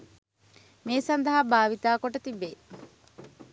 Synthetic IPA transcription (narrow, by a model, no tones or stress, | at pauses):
meːsɐnd̪ɐɦabaːʋit̪aːkoʈɐt̪ibe